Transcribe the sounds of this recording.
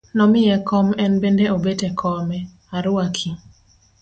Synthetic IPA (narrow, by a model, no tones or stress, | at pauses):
nɔmɪjɛkɔmɛnbendeobetɛkʰɔmɛ | aɾʊakʰi